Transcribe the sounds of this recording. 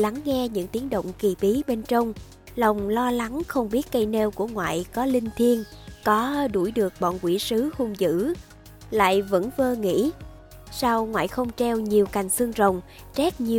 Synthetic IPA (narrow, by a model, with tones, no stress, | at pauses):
la˨˦ŋːɛ˧ɲɨ̰˧˥ŋt̪i˨˦əŋɗo̰˧˨wŋ͡mki˨˩ɓi˨˦ɓe˧nt͡ɕə˧wŋ͡m | lə˨˩wŋ͡mlɔ˧la˨˦ŋxə˧wŋ͡mɓi˦˥ət̚kə˧jne˧wku˧˩əŋwa̰ː˧˨jkɔ˨˦lï˧ŋ̟t̪ʰi˧ənkɔ˨˦ɗu˧˩jɗɨ˨˩ək̚ɓɔ̰˧˨nkwḭ˧˩sɨ˨˦hu˧mzɨ̰˧˥ | la̰ː˧˨jvə̰˧˥nvəː˧ŋḭ˧˥ | sa˧wŋwa̰ː˧˨jxə˧wŋ͡mt͡ɕɛ˧wɲi˨˩əwka˨˩jŋ̟sɨ˧əŋzə˨˩wŋ͡m | t͡ɕɛ˦˥t̚ɲi˨˩